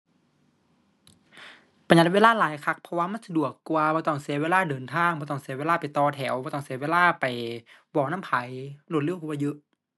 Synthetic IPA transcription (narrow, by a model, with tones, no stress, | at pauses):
pa˧ɲa˧t̪̚weː˧˥laː˧˥˨laː˨˦jkʰa˧˥k̚pʰɔ˧waː˧ma˧˥˨nsa˧du˨˩əkːu˧a˧bɔː˧˦t̪ɔ˧˩ŋsi˧˦weː˧˥˨laː˧˩˨dɤː˨˩nt̪ʰaː˧˥˨ŋbɔ˧˦t̪ɔ˧˩˨ŋsi˧˦weː˧˥˨laː˧˩˨pa˨˩jt̪ɔː˧t̪ʰɛː˩˦wbɔː˧˦t̪ɔː˧˩ŋsi˧˦weː˧˥˨laː˧˥˨pa˨˩jbɔː˧˩na˧˥˨pʰa˨˦jlo˧t̪̚lɯ˧˥˨kʰuː˧waː˧jɯ˧˦ʔ